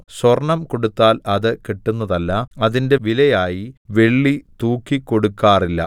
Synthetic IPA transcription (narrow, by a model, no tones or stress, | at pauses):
sorɳɐmko̞ɽut̪ːaːlɐðɨkiʈːunːɐðɐlːɐɐðinde̞ʋilɐjaːjiʋe̞ɭːit̪uːkːikːo̞ɽukːaːrilːɐ̰